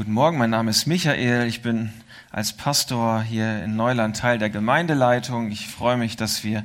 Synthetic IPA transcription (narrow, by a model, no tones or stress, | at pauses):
ɡ̥uːtn̩mɔɐɡŋ̩maɪnːaːməɪstmɪçaʔeːlɪçb̥ɪn | ʔa̰lspʰastoːɐɦiːɐɪ̰nːɔʏlantʰːaɪldeːɐɡəmaɪndəlaɪtʰʊŋɪçfʁ̥ɔʏəmɪçd̥asv̥iːɐ